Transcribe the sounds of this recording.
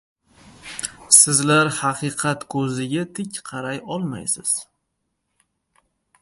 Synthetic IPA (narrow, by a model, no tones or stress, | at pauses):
sɪzlaɾhɑqʰɨqʰɑt̪kʰɵzɪɡʲat̪ʰɪkʲqʰɑɾajɒlˠma̰jsɪz̥